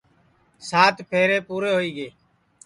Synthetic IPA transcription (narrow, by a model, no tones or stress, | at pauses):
saːt̪ʰpʰeːɾeːpuːɾeːɦoːiːɡeː